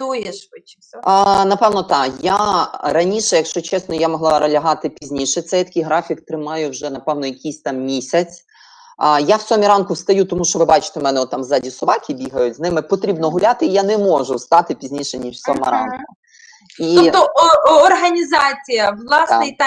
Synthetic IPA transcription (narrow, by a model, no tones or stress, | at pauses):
t̪ujɛʃʋɪt͡ʃɪsʲɔnɐpɛwnɔt̪ɑkjaɾɐnʲiʃɛjɐkʃt͡ʃɔt͡ʃɛsnɔjamɔɦlˠɑɾɐlʲɐɦɑt̪ɪpʲizʲnʲiʃɛt̪sɛjt̪ɐ̥kʲijɦɾɑfʲikt̪ɾɪmɑjʊwʒɛnɐpɛwnɔjɐkʲisʲt̪ɑmmʲisʲɐt͡sʲ | jawsɔmʲiɾɑnkʊwst̪ɐjut̪ɔmuʃt͡ʃɔʋɪbɑt͡ʃɪ̥t̪ɛmɛnɛɔt̪ːɑmzɑdʲisɔʋɑkʲibʲiɦɐjʊtʲznɪmɪpɔt̪ɾʲibnɔɦʊlʲat̪ɪːjanɛmɔʒʊst̪ɑt̪ɪpʲizʲnʲiʃɛnʲiʃsʲɔmɐɾɑ̰nkʊ | iɔt̪ɔɔrɦɐnʲizɑt͡sʲijɐʋlˠɑsnɪjt̪ɑ